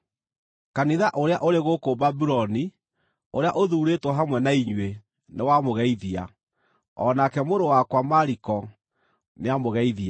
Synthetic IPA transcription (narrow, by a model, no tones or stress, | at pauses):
kaniðaʔoɾeaʔoɾeɣokobabiɾɔni | oɾeaʔoðuːɾetwɔɦamwɛnaiɲwe | newamoɣɛiðia̰ | ɔnakɛmoɾowakwamaɾikɔ | neamoɣɛiðia